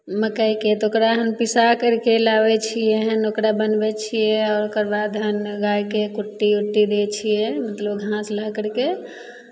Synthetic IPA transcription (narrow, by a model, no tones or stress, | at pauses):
məkəjket̪ɔokɾaɦəmpisakəɾkelabɛt͡ʃʰieɦənokɾabənbɛt͡ʃʰijɛɔːɾokəɾbad̪ɦənɡajkekuʈːiuʈːiɾɛt͡ʃʰijɛmət̪ləbɡʱãsləkəɽke